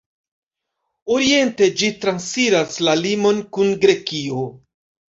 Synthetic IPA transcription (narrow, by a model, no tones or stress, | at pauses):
oɾie̞nte̞d͡ʒitɾansfiɾaslalimo̞nkunɡɾe̞kio̞